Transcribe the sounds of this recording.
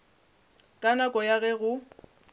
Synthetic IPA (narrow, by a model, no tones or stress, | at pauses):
kʼanakʼɔjaɣɛɣʊ